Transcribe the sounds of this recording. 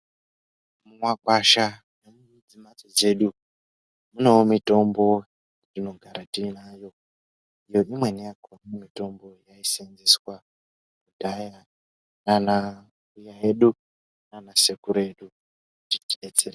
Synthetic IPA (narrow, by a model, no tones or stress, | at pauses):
muŋwakwaʃa | nan | d͡zimad͡zod͡ze̞ɗu | mune̞womito̞mbo̞ | rino̞ɡʱaɾatinajo̞ | ijo̞imwe̞nijakonemito̞mbo̞jaisenziswa | kudʱaja | nana | ujaeɗu | nanasekuɾe̞ɗu | titiet͡ser